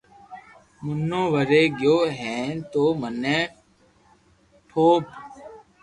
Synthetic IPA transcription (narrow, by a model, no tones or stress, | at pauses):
mʊnːõːʋəɾeːɡjoːɦɛ̃ːt̪oːmənɛ̃ː | ʈʰoːb